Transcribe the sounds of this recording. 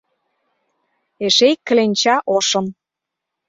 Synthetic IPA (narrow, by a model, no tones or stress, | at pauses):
eʃejkːə̆lenʲt͡ɕɑʔoʃɤ̆n